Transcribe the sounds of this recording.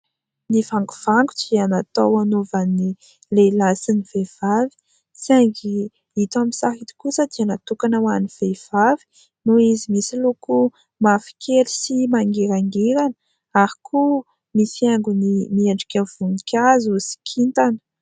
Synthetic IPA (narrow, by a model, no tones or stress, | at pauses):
nivaŋɡu̥v̥aŋɡuʈ͡ʂianat̪owanovani | lelasiniv̥ev̥avi̥ | t͡siaŋɡi | it̪amisaɦit̪i̥kusad̪ianat̪ukanawaniv̥ev̥avi̥ | nuizimisiloku | mafi̥kʲʰeɾisimaŋɡeɾaŋɡeɾanə̥ | aɾikʰu | misaŋɡunimieɳɖ͡ʐikʲav̥unikʲazusi̥kʲʰint̪anə̥